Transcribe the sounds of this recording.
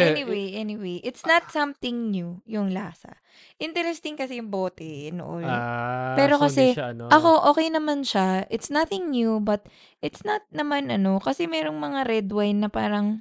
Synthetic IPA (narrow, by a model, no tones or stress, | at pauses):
ʔɛniwejʔɛnɪwejʔɪt̪snɐt̪̚sɐmt̪ɪŋnjujʊŋlaːsɐ̰ | ʔɪnt̪ɛɾɛst̪ɪŋkɐsɛjʊŋboːt̪ɛno̰ʔo̰jonpɛːɾo̞kɐsɛʔɐko̞ʔo̞ːkɛjnɐmanʃaʔɪt̪snɐθɪŋnjubɐt̪̚ | ʔɪt̪snɐt̪̚nɐmanʔɐno̞kɐsɛmɛːɾo̞ŋmɐŋaɾɛd̪wajnːɐpaːɾɐŋ